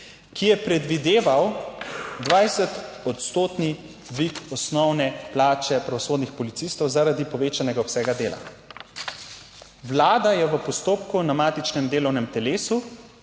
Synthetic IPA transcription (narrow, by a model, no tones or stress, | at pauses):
kijɛpɾɛd̪ʋid̪eːʋaw | d̪ʋajsɛt̪ɔt̪st̪oːt̪ni | ʋikɔsnɔwnɛplaːt͡ʃɛpɾaʋɔsoːd̪nixpɔlit̪sist̪ɔwzaɾad̪ipɔʋeːt͡ʃanɛɡaɔsɛːɡad̪eːla̰ | ʋlaːd̪ajɛʋəpɔst̪oːpkunamaːt̪it͡ʃnɛmd̪eːlɔwnɛmt̪ɛleːsu